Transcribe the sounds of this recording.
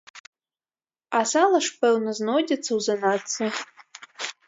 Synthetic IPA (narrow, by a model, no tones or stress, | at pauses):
asalˠɐʂpɛwnɐznɔdʲɐt̪t͡sːɐwzɐnat͡sːɐ